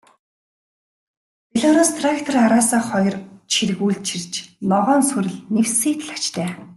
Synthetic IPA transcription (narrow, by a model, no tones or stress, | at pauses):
peɮɔːɾɔst̪ʰrakt̪ʰɔraɾaːsaːχɔjɞ̆rt͡ɕʰirɣuːɮt͡ɕʰirt͡ɕnɔʁɔːnsuɾɘ̆ɮnewsiːt̪̆ɮḁt͡ɕt̪ʰæː